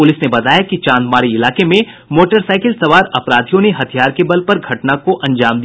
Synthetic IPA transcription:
pʊlɪsnebɐt̪aːjakit͡ʃãːnd̪maːɾiɪlaːkemẽ | moːʈəɾsaːɪkɪlsɐʋaːɾɐpɾaːd̪ʱijõneɦɐt̪ʰijaːɾkebɐlpɐɾɡʱɐʈnakoʔɐ̃ɲd͡ʒaːmd̪i

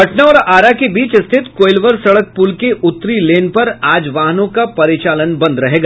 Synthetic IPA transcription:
ɐʈnaɔːɾaːɾakebiːt͡ʃst̪ʰɪt̪koːɪlʋəɾsɐɽək̚puːlkeʔʊt̪ːɾileːnpɐɾaːd͡ʒʋaːɦənõkapɐɾɪt͡ʃaːlənbɐ̃nd̪ɾɐɦeːɡaː

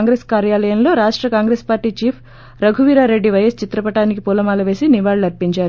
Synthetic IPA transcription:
ŋɡɾeːskaːɾjaːlɐjɐmlo̞ːɾaːʂʈɾɐkaːŋɡɾeːspaːɾʈiːt͡ʃiːpʰ | ɾɐɡʱuʋiːɾaːɾe̞ɖːiʋɐjɐst͡ʃit̪ɾɐpɐʈaːnikipulɐmaːlɐʋe̞ːsiniʋaːɭɐɾpiɲt͡ʃaːɾu

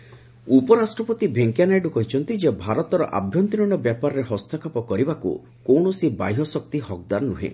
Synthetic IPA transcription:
upɔɾasʈɾɔpɔt̪ibʱeŋkijanajɖukɔɦit͡ʃʰɔnt̪id͡ʒebʱaɾɔt̪ɔɾɔʔa̰bʱjɔnt̪inɔɳɔbjapaɾɔɾeɦɔst̪ʰɔkʰapɔkɔɾibakṵ | kowɳɔsiba̰jɦɔsɔk̚t̪ihɔk̚d̪aɾnuɦḛ

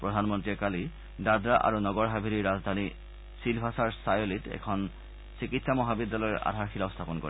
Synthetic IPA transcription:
pɹɔdʱanmɔntɹiɛkali | dadɹaʔa̰ɹunɔɡɔɹɦabʱiɾiɹazd̪ʱani | silbʱasaɹsajolitɛ̰kʰɔn | sikitsamɔɦabid̪ːalɔjɔʔa̰dʱaɹxilaʊst̪ʰapɔnko̰i

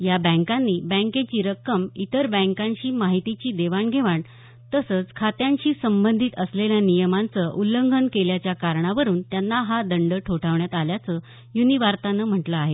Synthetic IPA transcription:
jabə̃ŋkanːiːbə̃ŋket͡ɕiːɾəkːəmit̪əɾbə̃ŋkãɲɕiːmaɦit̪it͡ɕiːd̪eʋaɳɡʱeʋaɳ | t̪əsət͡skʰat̪jãɲɕiːsəmbənd̪ʱit̪əsleljanijəmant͡səʔuləŋɡʱənkeljat͡ɕjakaɾɳaʋəɾuːnt̪janːaɦad̪əɳɖəʈʰoʈʰaʋɳjat̪aljat͡sə | juniʋaɾt̪anəm̤əʈləaɦe

